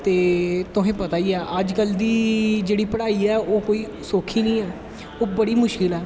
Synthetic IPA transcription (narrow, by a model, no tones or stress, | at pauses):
t̪eːt̪ʊɦẽːpət̪aːiːaːʔəd͡ʒkəld̪iːd͡ʒeːɽiːpəɽaːiːɛːoːkoːiː | soːkʰiːnĩːɛː | oːbəɽiːmʊʃkɪlɛː